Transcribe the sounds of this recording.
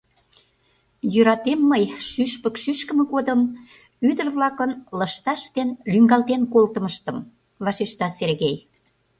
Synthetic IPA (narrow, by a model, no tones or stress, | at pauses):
jøɾɑt̪emːəjʃyʃpəkʃyʃkə̆mə̆ɣod̪əm | yd̪ərβlɑkənləʃt̪ɑʃt̪enlyŋɡɑlt̪enkolt̪əməʃt̪ə̆m | βɑʃeʃt̪ɑserɣej